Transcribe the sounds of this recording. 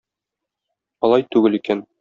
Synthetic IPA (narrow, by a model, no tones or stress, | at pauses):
ɒlˠɑjt̪ʉɡɘlikæn